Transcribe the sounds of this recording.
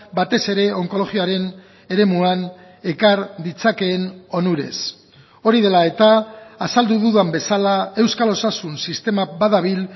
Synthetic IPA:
bat̪e̞se̞ɾe̞o̞ŋko̞lo̞ɣioaɾe̞n | e̞ɾe̞muan | e̞kaɾd̪it͡sake̞ːno̞nuɾe̞̰s | o̞ɾiðe̞lae̞t̪aːsald̪uðuðambe̞salae̞wskalo̞sasunsist̪e̞mabaðaβ̞il

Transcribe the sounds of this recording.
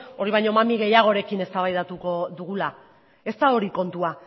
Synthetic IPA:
o̞ɾiβ̞ajɲo̞mamiɣ̞e̞jaɣ̞o̞ɾe̞kine̞st̪aβajðat̪uko̞ðuɣ̞ula | e̞st̪ao̞ɾiko̞nt̪ua

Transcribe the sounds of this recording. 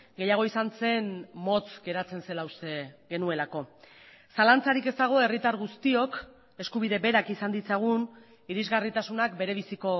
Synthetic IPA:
ɡe̞jaɣ̞o̞isanse̞nmo̞t͡sɡe̞ɾat͡se̞nse̞lawseɣe̞nue̞lako̞ | salant͡saɾike̞st̪aɣ̞o̞e̞rit̪aɾɣust̪io̞k | e̞skuβ̞iðe̞be̞ɾakisand̪it͡saɣ̞un | iɾizɣarit̪asunakbe̞ɾe̞β̞isiko̞

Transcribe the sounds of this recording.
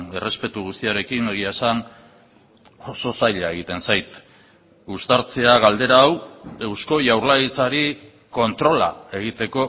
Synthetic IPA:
e̞re̞spe̞t̪uɣust̪iaɾe̞kineɣ̞iasan | oso̞sajʎae̞ɣ̞it̪e̞nsajt̪ | ust̪aɾt͡se̞aɣald̪e̞ɾaːwe̞wsko̞ʝawɾlaɣit͡saɾi | ko̞nt̪ɾo̞la̰e̞ɣ̞it̪e̞ko̞

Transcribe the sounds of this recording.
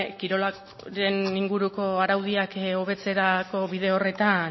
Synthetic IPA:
kiɾo̞la | ɾe̞niŋɡuɾuko̞aɾawðiako̞βe̞t͡se̞ɾako̞βiðe̞o̞re̞t̪an

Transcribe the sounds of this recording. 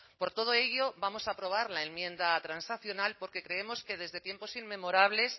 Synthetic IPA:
po̞ɾt̪o̞ð̞o̞e̞ʝo̞bamo̞sapɾo̞β̞aɾlae̞nmjẽ̞nd̪at̪ɾansaθjo̞nalpo̞ɾke̞kɾe̞e̞mo̞ske̞ð̞e̞zðe̞t̪je̞mpo̞sinme̞mo̞ɾaβ̞le̞s

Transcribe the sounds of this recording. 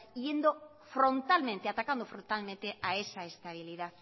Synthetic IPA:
ije̞nd̪o | fɾo̞nt̪alment̪eat̪akand̪ofɾont̪almẽnt̪e̞aesaest̪aβ̞ilið̞aθ

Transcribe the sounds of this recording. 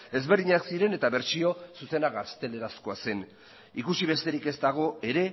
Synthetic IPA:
e̞zβe̞ɾðiɲaksiɾe̞ne̞t̪aβe̞ɾt͡ʃio̞suse̞naɣast̪e̞le̞ɾasko̞ase̞n | ikusiβ̞e̞st̪e̞ɾike̞st̪aɣ̞o̞e̞ɾe̞

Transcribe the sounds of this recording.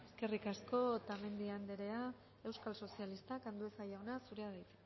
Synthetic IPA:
eske̞rikasko̞t̪ame̞nd̪iand̪eɾe̞a | e̞wskalso̞sialist̪akand̪ue̞sajaonasuɾeaðajt͡se

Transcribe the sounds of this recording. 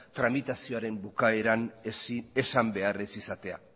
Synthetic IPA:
t̪ɾamit̪asio̞aɾe̞mbukae̞ɾan | e̞sambe̞aresisat̪e̞a̰

